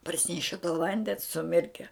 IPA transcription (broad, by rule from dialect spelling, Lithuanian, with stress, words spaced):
pɐrʲˈsʲɪnʲɛʃʲɛ toː ˈʋɐnʲdʲɛns sʊˈmʲɪrʲkʲɛ